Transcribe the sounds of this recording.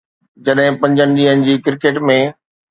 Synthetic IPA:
d͡ʑɐɗɦɪ̃pɐ̃ɲd͡ʑənɪ̆ɗd͡ʑĩːɦənɪ̆d͡ʑiːkɪɾkeːʈmẽ

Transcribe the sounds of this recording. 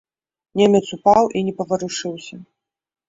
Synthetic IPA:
nʲemʲɛt̪supawʔinʲɛpɐvɐɾuʂɨwsʲɐ

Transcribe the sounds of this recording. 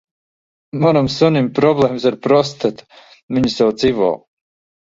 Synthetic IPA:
manɔmsunʲimpɾɔblˠeːmsaɾpɾɔs̬t̪at̪ | miɲusawd̪z̥ivɔ̰ː

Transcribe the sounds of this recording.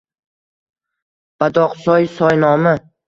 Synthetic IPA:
b̥ad̪ɒqsɒjsɒjnɒmɪ

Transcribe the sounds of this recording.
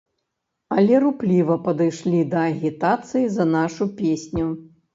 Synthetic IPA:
ɐlʲɛɾuplʲivɐpɐd̪ɨjʂlʲid̪ɐːɣʲit̪at̪sɨjizɐnaʂupʲesʲnʲu

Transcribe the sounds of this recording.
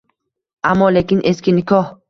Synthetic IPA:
amːɒlekʲɪnʔeskʲinɪkʰɒh

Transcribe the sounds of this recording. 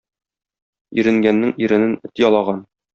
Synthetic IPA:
iɾɘ̆ŋɡænːɘŋiɾɘ̆nɘnɘ̆t̪jɒlˠɑʁɑn

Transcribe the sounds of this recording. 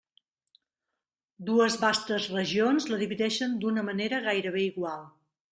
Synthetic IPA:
d̪uəzβast̪əzrəʒionzləðiβiðɛʃənd̪unəməneɾəɣajɾəβ̞eiɣwalˠ

